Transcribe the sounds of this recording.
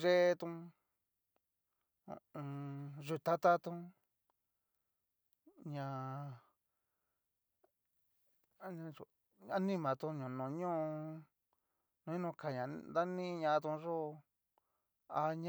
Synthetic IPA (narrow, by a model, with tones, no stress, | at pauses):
ʒe˦t̪ũ˧ | ʒu˧t̪a˦t̪a˦t̪ũ˧ | ɲã˧˦ | ɲã˧u˨ | a˦nĩ˦mã˨t̪ũ˧ɲũ˨nũ˨ɲõ˦˧ | nũ˧ɲĩ˦nũ˧ka˨ɲã˨nd̪a˦nĩ˦˧ɲã˧t̪ũ˧ʐo˦˧ | a˧ɲã